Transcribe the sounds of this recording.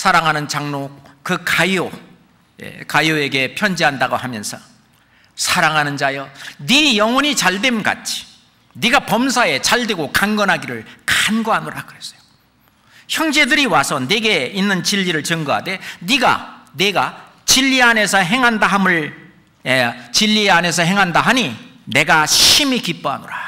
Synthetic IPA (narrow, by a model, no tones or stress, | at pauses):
sʰaɾaŋɦanɯnt͡ɕaŋnokɯkajo | jḛkajoe̞ɡe̞pʰjʌnd͡ʑiɦandaɡohamjʌnsʰʌ | sʰaɾaŋɦanɯnd͡ʑajʌnijʌŋwʌɲit͡ɕaɭde̞mɡa̰t͡ɕʰi̥ | niɡapʌmsʰae̞t͡ɕaɭdwe̞ɡokaŋɡʌnɦaɡiɾɯɭkanɡʌɦanoɾaɡɯes͈ʌ̥jo̥ | çjʌŋd͡ʑe̞dɯɾiwasʰʌne̞ɡe̞inːɯnt͡ɕiʎːiɾɯɭt͡ɕɯŋɡoɦa̰de̞niɡa̰ne̞ɡa | t͡ɕiʎːiane̞sʰʌɦe̞ŋɦandaɦamɯɭ | t͡ɕiʎːiane̞s̬ʰʌɦe̞ŋɦandaɦaɲi | ne̞ɡaɕimikip͈ʌɦa̰noɾa